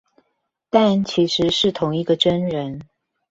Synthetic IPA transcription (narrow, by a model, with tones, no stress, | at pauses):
t̪a˥˩nt͡ɕʰi˧˥ʂɻ̩˧˥ʂɻ̩˥˩t̪ʰʊ˧˥ŋi˧˥ɡə˧ʈ͡ʂə˥nɻə˧˦n